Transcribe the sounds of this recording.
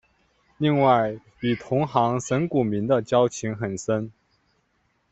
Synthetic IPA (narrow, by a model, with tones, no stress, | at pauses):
li˥˧ŋwa˥˩ɪ | y˨˩t̪ʰʊ˧˥ŋxɑ˧˥ŋʂə˧˥nku˨˩mi˧˥nd̪ə˧t͡ɕjɑ˥ʊt͡ɕʰi˧˥ŋxə˨˩nʂə˥n